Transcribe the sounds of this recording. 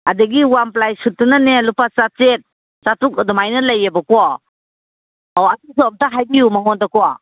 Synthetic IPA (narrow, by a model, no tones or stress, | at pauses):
adeɡiwamplajsutːunanelupat͡ʃat͡ʃet̚ | t͡ʃatuk̚ɐdɔmajnɐlɐjebɐkua | awatis̬ɔap̚taɦajbijumaŋɔndakua